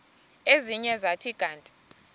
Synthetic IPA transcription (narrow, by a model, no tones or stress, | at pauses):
eziɲɛzatʰiɡ̥ʱaːntʼi̥